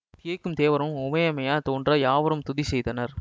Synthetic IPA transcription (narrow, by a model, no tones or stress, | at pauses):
t̪ɪjɐkːɯmt̪eːʋɐɾɯ̃mʊmɐjɐmɐjaːt̪oːndrɐjaːʋɐɾɯmt̪ʊðisɛjðɐnɐɾ